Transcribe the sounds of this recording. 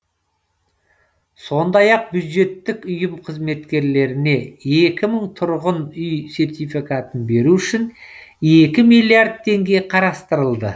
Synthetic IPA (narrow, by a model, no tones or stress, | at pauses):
so̞nd̪ɑjɑq̚bjud̪ʒe̞t̪ːɪkʊjəmqʰəzme̞t̪kʲe̞ɾle̞ɾɪne̞e̞kʲɪməɴt̪ʰʊɾʁənʏjse̞ɾt̪ijfikat̪ənbe̞ɾuʏʃɪn | e̞kʲɪmijlʲˠiard̪̚t̪ʰːe̞ŋɡʲe̞jqʰɑɾɑst̪əɾəlˠd̪ə